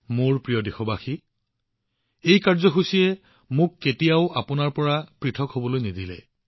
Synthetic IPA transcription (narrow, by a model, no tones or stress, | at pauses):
mʊɹpɹijɔdexɔbaxi | ejkaɹzɔxusiɛ | mʊkːetijaʊʔapʊnaɹpɔɹapɹitʰɔkhobɔlojnidilɛ̰